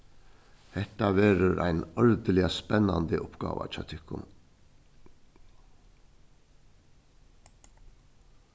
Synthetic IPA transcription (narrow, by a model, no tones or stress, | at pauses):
hɛt̪aʋeːɾəɾʔa̰ɪnɔɹd̪əlɪaspɛnːand̪əʔʊpɡ̥ɑ̰ːʋa̰t͡ʃɑːt̪ʰɪkːʊ̰m